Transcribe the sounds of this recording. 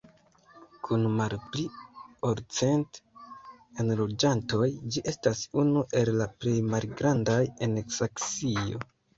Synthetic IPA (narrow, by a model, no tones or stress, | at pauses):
kʰunmalplioɾt͡se̞nt | enlo̞d͡ʒanto̞jd͡ʒiʔe̞stasunuʔe̞llaple̞jmalɡɾandajeneksaksio̞̰